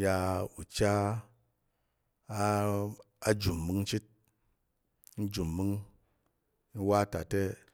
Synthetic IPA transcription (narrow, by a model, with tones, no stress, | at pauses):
ja˧u˨t͡ʃa˦ | a˦d͡ʒu˨mːɨ˧ŋt͡ʃi˦t̚ | n̩˦d͡ʒu˨mːɨ˦ŋ | ni˦wa˦ta˨te˦